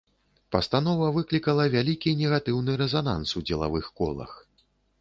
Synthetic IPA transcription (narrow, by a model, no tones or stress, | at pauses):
pɐst̪anɔvɐvɨklʲikɐlˠɐvʲalʲikʲinʲɛɣat̪ɨwnɨɾɛzana̰nsud͡zʲɛlˠa̰vɨxkɔ̰lˠɐ̰x